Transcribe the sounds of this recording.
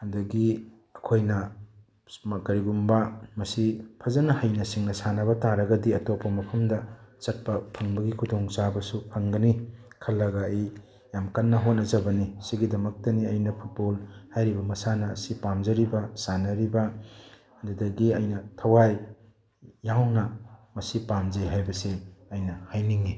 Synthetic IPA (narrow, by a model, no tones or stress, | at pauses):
ɐdɐɡi | ɐkʰojnɐ | mɐkɐɾiɡumbɐmɐsipʰɐzɐnɐhɐjnɐsiŋnɐsanɐβɐtaɾɐɡɐdiɐtopʰːɐmɐpʰɐmdɐt͡ʃɐt̚pɐpʰɐŋbɐɡikʰudoŋt͡ʃabɐsupʰɐŋɡɐnikʰɐlːɐɡɐːj | jamkɐnːɐɦot̚nɐzɐbɐnisiɡidɐmɐk̚tɐniɐjnɐpʰut̚bolhajɾibɐmɐsanɐːsipamzɐɾibɐsanɐɾibɐː | dudɐɡiɐjnɐtʰɐwaj | jawnɐmɐsipamzeɦajbɐseɐjnɐhajniŋi